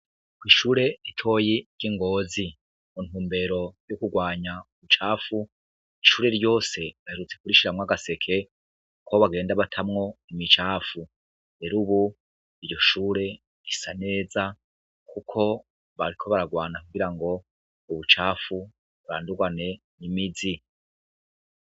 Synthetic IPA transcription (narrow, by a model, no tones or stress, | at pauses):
kwiːʃuːɾe̞itʰo̞ːji̥ɟ̥iŋɡo̞ːzi | on̥huːmbe̞ɾo̞jokuɡwaːɲauβut͡ʃaːfu | iʃuːɾe̞ɾjo̞ːse̞βaheɾut͡se̞kuɾiʃiɾamŋaɡase̞kʰe̞ | koβaɡe̞ːndaβatʰamŋo̞imit͡ʃaːfu | eɾuβu | iɾjo̞ʃuːɾe̞ | isane̞ːza | kʰukʰo̞ | βaɾikʰo̞βaɾaɡwaːnakuɡiɾaŋɡo̞ | uβut͡ʃaːfu | βuɾa̰ːnduɡwane̞ | nimid͡zi